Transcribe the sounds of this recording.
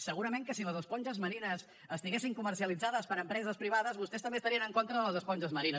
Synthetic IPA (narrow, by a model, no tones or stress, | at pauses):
səɣuɾəmeŋkəsiləzəspɔnʒəzməɾinəs | əst̪iɣesiŋkuməɾsiəlid͡zaðəspəɾəmpɾɛzəspɾiβ̞aðəzβust̪ɛst̪əmbest̪əɾiənəŋkont̪ɾəðələzəspɔnʲʒəzməɾinə